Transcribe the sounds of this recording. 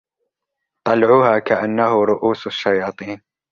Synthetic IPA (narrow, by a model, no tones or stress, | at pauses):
t̪ˤɑlʕuːhaːkaʔanːahʊɾˤʊʔuːsaʃːajɑːt̪ˤiːn